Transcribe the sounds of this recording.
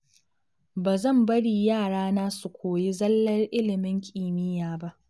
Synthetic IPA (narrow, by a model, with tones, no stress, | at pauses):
baː˨zɐ˦˨mbɐ˦ɽiː˨jaː˦˨ɽaː˦naː˦su˨kʷoː˨ji˦zɐ˦lːɐ˦rʔɪ˦lɪ˨mɪ˦ŋkʲʼiː˨mɪ˦jaː˨ba˦ʔ